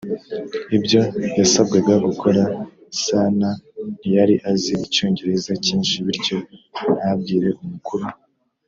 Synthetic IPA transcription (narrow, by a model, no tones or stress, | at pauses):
ibɟo̞jasab̚ɡeɡaɡukʰo̞ɾa | sanajaɾiʔaziico̞ːɲɟe̞ɾe̞zaciːnʃiβiɾɟo̞nab̚ɡiːɾe̞ʔumukuɾu